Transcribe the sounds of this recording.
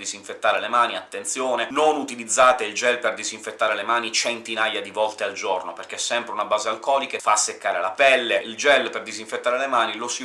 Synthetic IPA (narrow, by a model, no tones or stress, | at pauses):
d̪iziɱfet̪ːaːɾelemaːniat̪ːent̪sjoːnenonut̪ilid̪zːaːt̪eild͡ʒɛlperd̪iziɱfet̪ːaːɾelemaːnit͡ʃent̪inajad̪ivɔlt̪eald͡ʒornoperk̟esːɛmpɾeunabaːzealkɔːlikafasːekːaːɾelapɛlːeʔild͡ʒɛlːperd̪iziɱfet̪ːaːɾelemaːnilosi